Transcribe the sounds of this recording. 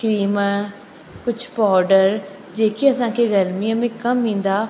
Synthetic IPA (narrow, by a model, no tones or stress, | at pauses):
kɾiːmə | kʊt͡ʃʰpɔːɾɖəɾ | d͡ʒeːkiəsãːkeːɡəɾmiãːmẽːkəmĩːnd̪aː